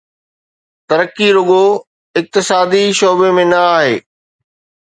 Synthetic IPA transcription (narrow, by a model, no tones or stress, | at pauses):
t̪ɐɾəkːiɾʊɠo | ɪk̚t̪ɪsaːd̪iʃɔːbemẽnɐaːɦḛː